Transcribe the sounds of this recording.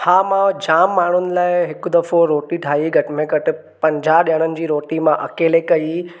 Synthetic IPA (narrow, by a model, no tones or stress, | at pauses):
haːmãd͡ʑaːmːaːɳ̤ʊnɪ̆laːɪɦɪkʊd̪ɐfoɾoːʈiʈʰaːiɡʱɐʈɪmẽɡɐʈɪ̆ | pɐ̃ɲd͡ʑʱaɗiəɽ̃ənɪ̆d͡ʑiːɾoːʈimãʔɐ̰keːlekɐi